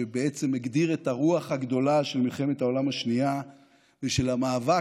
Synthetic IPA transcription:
ebeet͡se̞meɡd̪iʁet̪aʁuaχhaɡd̪o̞laʃelmilχe̞met̪hao̞lamaʃnia | veʃe̞lamaːva

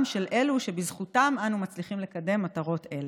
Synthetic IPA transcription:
mʃe̞lʔe̞luʃe̞bizχutamanumat͡sliχimle̞kade̞mːataʁo̞te̞le

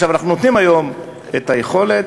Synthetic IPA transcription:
ʃavanaχnuno̞t̪nimajo̞m | et̪aje̞χo̞le̞

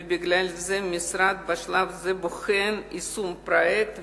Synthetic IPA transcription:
bɪɡlʲalʲzɛmʲisɾad̪̚bɐʃlˠavzɛboxenisumpɾoɛkt̪

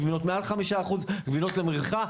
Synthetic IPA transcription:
vinotmealχamiʃaːχuzɡvino̞tlemʁiχa

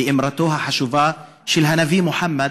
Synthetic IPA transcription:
ɪʔɪmɾˤɑt̪uːɦaħaʃuvaː | ʃɪlɦanaviːmʊħamːa

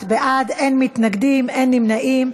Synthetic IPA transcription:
tbeʔad̪ʔenmit̪naɡd̪imenːimnaʔim

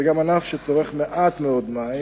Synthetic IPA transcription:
ɛɡamanafʃɛt͡soʁɛχmeʔat̪mɛɔdmaj

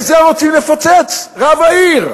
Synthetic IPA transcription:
zɛʁot̪ilefot͡set͡sʁavaiʁ

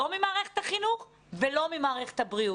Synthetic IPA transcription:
omimaːʁeχet̪haχinuχ | velo̞mimaːʁeχethabʁiu

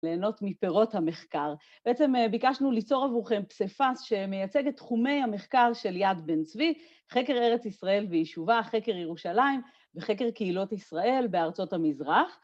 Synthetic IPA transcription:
le̞ːno̞tmipeʁo̞thame̞χkaʁ | b̥eet͡sembikaʃnulit͡so̞ʁavuχe̞mpsefasʃe̞me̞jat͡se̞ɡet̪ːχume̞jhame̞χkaʁʃe̞ljadbent͡svi | χe̞ke̞ʁe̞ʁet͡sisʁae̞lvejiʃuvaχe̞keʁjeʁuʃalaim | veχe̞k̬e̞ʁkeilo̞tisʁae̞lbeaʁt͡so̞thamizʁaχ

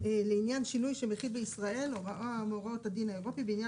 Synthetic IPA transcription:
leinjanʃinujʃemeχid̚beisʁae̞loʁaʔoameoʁaothadinhaeʁo̞pibeinja

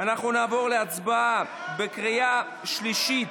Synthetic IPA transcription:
anaχnunaːvo̞ʁleat͡sbaa | bekʁija | ʃliʃit̪

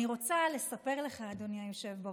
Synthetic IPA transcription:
iʁo̞t͡sale̞sape̞ʁle̞χaːd̪onjajoʃevba

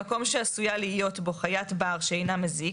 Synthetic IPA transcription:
ako̞mʃeasujaliijo̞tbo̞χajatbaʁʃeejnamezi

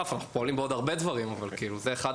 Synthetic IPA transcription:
afanaχu̥poalimbeo̞d̪aʁbe̞d̪vaʁimavalkiiːluzeːχad̪

